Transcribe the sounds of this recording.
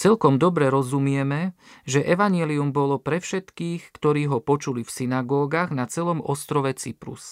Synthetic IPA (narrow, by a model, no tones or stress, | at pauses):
t͡sɛlkɔmd̪ɔbɾɛɾɔzumɪɛmɛʒɛʔɛʋaɲɪɛliumbɔlɔpɾɛfʃɛt̪kiːxkt̪ɔɾiːɦɔpɔt͡ʃulifsinaɡɔːɡaːɣnat͡sɛlɔmɔst̪ɾɔʋɛt͡sipɾṵs